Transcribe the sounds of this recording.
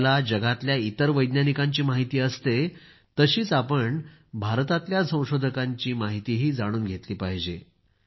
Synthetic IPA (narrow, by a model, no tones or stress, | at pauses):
lad͡ʑəɡat̪ljait̪əɾʋəjd̪njanikaɲt͡ɕiːmaɦit̪iːəst̪e | t̪əɕiːt͡sapəɳbʱaɾt̪at̪ljasə̃w̃ɕod̪ʱəkaɲt͡ɕiːmaɦit̪iːɦiːd͡zaɽ̃uːnɡʱet̪liːpaɦd͡ʑe